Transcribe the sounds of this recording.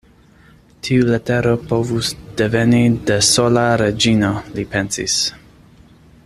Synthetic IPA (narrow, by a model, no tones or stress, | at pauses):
tʰiulet̪eɾopovusd̪̥evenidesolaɾed͡ʒinolipensḭs